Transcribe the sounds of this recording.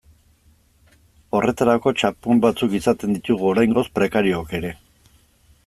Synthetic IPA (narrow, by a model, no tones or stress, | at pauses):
o̞rʔe̞t̪aɾako̞t͡ʃapumbat͡sukisat̪e̞nd̪it̪uɣuo̞ɾajŋɡo̞spɾe̞kaɾioake̞ɾe̞